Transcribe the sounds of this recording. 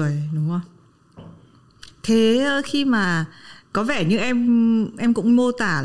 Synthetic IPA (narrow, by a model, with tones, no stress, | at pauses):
əjɗʊ˨˦ŋ͡mwŋ͡m | t̪ʰe˨˦ə˧xi˧maː˨˩kɔ˨˦vɛ˧˩ɲɨ̰˧˥ŋʔɛ˧mʔɛ˧mkʊ̰˧˥ŋ͡mmo˧t̪aː˧˩